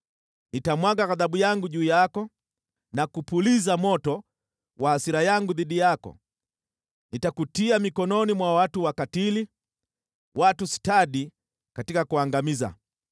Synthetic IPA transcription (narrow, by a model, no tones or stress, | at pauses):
nitamwaɡaɣaðaɓujaŋɡuʄuːjakɔ | nakupulizamɔtɔ | wʔahasiɾajaŋɡuðiɗijakɔ̰ | nitakutiamikɔnɔnimwawatuwakatili | watusi̥taɗi | katikakuaŋɡamiza̰